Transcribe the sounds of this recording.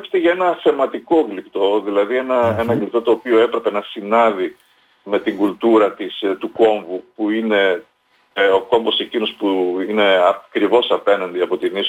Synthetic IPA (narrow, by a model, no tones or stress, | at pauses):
st̪eʝɐe̞nɐθe̞mɐt̪iko̞ɡlipt̪o̞ðilɐðie̞nɐenɐɡlip̚t̪o̞t̪o̞ːpio̞e̞pɾe̞pe̞nɐsinɐði | me̞t̪iŋɡult̪uɾɐt̪ist̪uko̞ɱvupuine̞ | o̞ko̞mbo̞se̞cino̞spuine̞ɐkɾivo̞sɐpe̞nɐnd̪iɐpo̞t̪inis